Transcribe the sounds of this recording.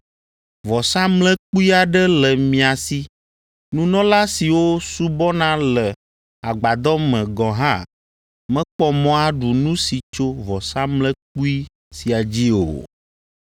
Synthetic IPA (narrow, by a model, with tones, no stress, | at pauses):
vɔ˨sã˦mlɛ̃˦k͡pu˦i˦a˨ɖɛ˦lɛ˨mĩ˨a˨si˦ | nũ˦nɔ̃˦la˦si˨wo˦su˦bɔ˦nã˦lɛ˨ | a˨ɡ͡ba˨d̪ɔ˦mɛ̃˨ɡɔ̃˨ɦã˦ | mɛ̃˦k͡pɔ˦mɔ̃˦a˦ɖu˨nũ˦si˨t͡ʃo˦vɔ˨sã˦mlɛ̃˦k͡pu˦i˦ | si˨a˨d͡ʑi˦o̰˨